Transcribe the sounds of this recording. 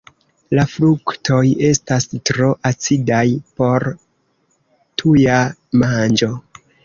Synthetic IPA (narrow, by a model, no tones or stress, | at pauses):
lafluktʰo̞je̞stastɾo̞ʔat͡sidajpo̞ɾ | tʰujamand͡ʒo̞